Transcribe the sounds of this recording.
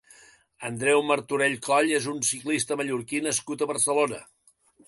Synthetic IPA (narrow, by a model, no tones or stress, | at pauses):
ənd̪ɾɛwməɾt̪uɾeʎkɔʎezunsiklist̪əməʎuɾkinəskut̪əβəɾsəlonə